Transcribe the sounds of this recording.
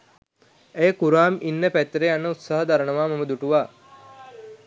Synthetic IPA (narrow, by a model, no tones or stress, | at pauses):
ejəkuɾaːminːəpæt̪ːɾeanːəut̪saɦəd̪aɾənəʋaːmɐməd̪uʈuʋaː